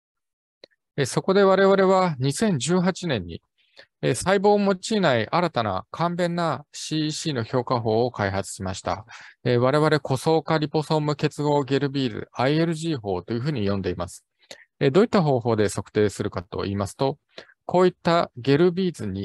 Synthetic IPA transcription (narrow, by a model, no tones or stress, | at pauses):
eso̞ko̞d̪e̞β̞aɾe̞β̞aɾe̞β̞aɲ̟isẽ̞ɲ̟d͡ʑɨːɦat͡ɕinẽ̞ɲ̟ːḭ | esaibo̞ːmo̞t͡ɕiːnaiʔaɾat̪ana̰kʰãmbẽ̞nːaɕiːɕiːno̞ço̞ːkaɦo̞ːkaiɦat͡sɨ̥ɕimaɕi̥t̪a̰eβ̞aɾe̞βaɾe̞ko̞so̞ːkaɾʲipo̞so̞mɯ̟ke̞t͡sɨɡo̞ːɡʲe̞ɾɯ̟bʲiːd͡zɨ̰aie̞ɾɯ̟ʑiːɦo̞ːt̪o̞jɯ̟ɸɯ̟ːɲ̟ijõ̞nd̪e̞imasɨ̥ | ed̪o̞ːit̪ːaɦo̞ːɦo̞ːd̪e̞so̞kɯ̟̥t̪e̞ːsɨɾɯ̟kat̪o̞̰ʔiːmasɨ̥t̪o̞ | kʰo̞ːit̪ːaɡʲe̞ɾɯ̟bʲiːzɨɲ̟i